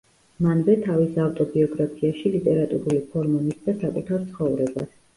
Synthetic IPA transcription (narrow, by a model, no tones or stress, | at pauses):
manvɛt̪ʰavisaft̪ʼɔbiɔɡɾapʰiaʃilit̪ʼɛɾat̪ʼuɾulipʰɔɾmɔnisd̪asakʼut̪ʰaɾt̪sʰχɔvɾɛbas